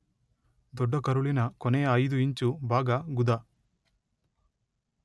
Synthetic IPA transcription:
d̪ɔɖːɐkɐɾuɭinɐkɔnejɐɐjd̪uiɲt͡ʃubʱaːɡɐɡud̪a

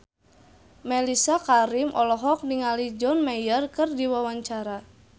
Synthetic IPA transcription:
mɛlisakaɾimʔɔlɔɦɔk̚niŋalid͡ʒɔnmajərkɨrdiwawaɲt͡ʃaɾa

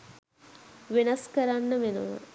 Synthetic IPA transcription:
ʋenɐskɐɾanːəʋenṵʋɐ̰

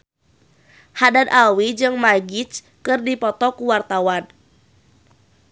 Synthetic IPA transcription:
hadad̪awid͡ʒɨŋmaɡit͡ʃ | kɨrdipɔt̪ɔkuwart̪awan

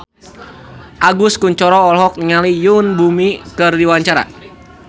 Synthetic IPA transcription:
ʔaɡʊskuɲt͡ʃɔɾɔːlɦɔk̚niŋalijunbumikɨrdiwaɲt͡ʃaɾa̰

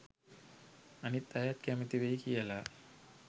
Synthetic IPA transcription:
ɐnit̪ːajat̪kæmit̪iʋejkijəla

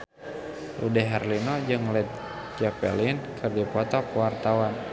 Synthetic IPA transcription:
lṵdɛɦɛrlinɔd͡ʒɨŋlɛt̪̚ | d͡ʒapɛ̰linkʰɨrdipɔt̪ɔpɛwart̪awan

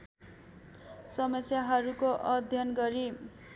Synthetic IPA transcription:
sʌmʌsjaɦʌɾukoʔʌd̪ʱjʌnɡʌɾi

